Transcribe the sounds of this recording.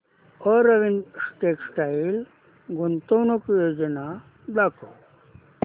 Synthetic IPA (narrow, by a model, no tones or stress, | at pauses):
oɾɐʋinsʈeksʈail | ɡunt̪ownokjod͡ʑɐna | d̪ako